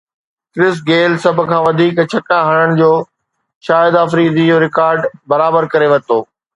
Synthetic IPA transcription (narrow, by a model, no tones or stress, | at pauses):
kɾɪsɡeːlsɐbʱʊ̆kʰãːʋɐd̪ʱiːkt͡ɕʰɐkãɦɐɽ̃əɽ̃̆d͡ʑoː | ʃaːɪd̪aːfɾiːd̪id͡ʑoːɾɪkaːɾɖbɐɾaːbəɾkɐɾeʋɐt̪oː